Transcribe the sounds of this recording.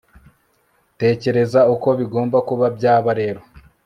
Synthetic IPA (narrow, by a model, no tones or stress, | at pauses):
te̞ːce̞ɾe̞zauko̞βiɡo̞ːmbakuβabɟaːβaɾe̞ːɾo̞